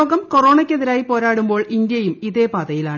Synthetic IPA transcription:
oːɡɐmkoro̞ːɳɐkʲːeðiɾaːjipo̞ːɾaːɽumbo̞ːɭind̪jɐjumiðe̞ːpaːðɐjilaːɳ

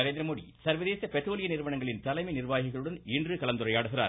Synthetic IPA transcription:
ɐɾeːnd̪ɾɐmoːɽḭsɐɾʋɐðeːsɐpɛʈɾoːlɪjɐnɪɾɯʋɐɳɐŋɡɐɭɪnt̪ɐlɐɪmɐɪnɪɾʋaːɣɪɣɐɭɯɽɐnɪndrɯkɐlɐnd̪ɯɾɐɪaːɽɯɣɪɾa̰ːɾ

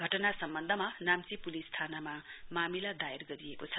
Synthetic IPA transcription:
ɡʱʌʈʌnasʌmbʌnd̪ʱʌmanamt͡sipulist̪ʰanamamamilad̪ajarɡʌɾijekot͡sʰʌ

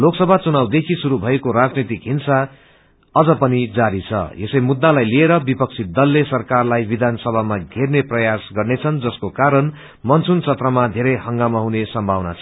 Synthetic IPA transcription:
loksʌbʱat͡sunawd̪ekʰisuɾubʱʌekoɾad͡znit̪ikɦinsa | ʌd͡zʌpʌnid͡zaɾit͡sʰʌ̰esʌjmud̪ːalajlieɾʌbipʌk̚t͡sʰid̪ʌlːesʌrkarlajbid̪ʱansʌbʱamaɡʱerneprʌjasɡʌrnet͡sʰʌnd͡zʌskokaɾʌn | mʌnt͡sʰunt͡sʰʌt̪rʌmad̪ʱeɾʌjɦʌŋɡamaɦunesʌmbʱawna̰t͡sʰʌ

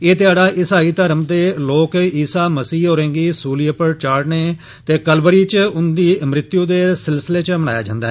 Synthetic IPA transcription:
eːt̪ɪaːɖaːʔɪsaːiːt̪əɾəmd̪eːloːkiːsaːməsiːoːɾɛ̃ːŋɡiːsuːliəpəɾt͡ʃaːɽneː | t̪eːkəlbəɾiːt͡ʃʊnd̪iːmɾɪt̪jũːd̪eːsɪlsɪleːt͡ʃməna̰ːjaːd͡ʒã̰ːnd̪aːɦ

